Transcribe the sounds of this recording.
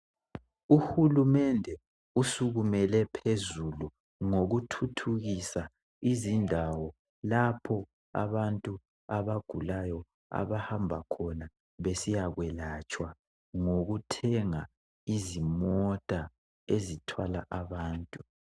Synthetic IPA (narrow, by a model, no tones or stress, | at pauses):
uhulumɛndʱɛ | usuɣumɛlɛpʰezulu | ŋoɣutʰutʰuɣisa | izindʱawɔ | lapʰɔ | a̰βantʼu | aβaɡ̥ʱulajɔ | a̰βahambʱakʰɔna | βesijaɣwɛlat͡ʃʼwa | ŋoɣutʰɛŋa | izimɔtʼa | ezitʰwalaʔaβaːntʼu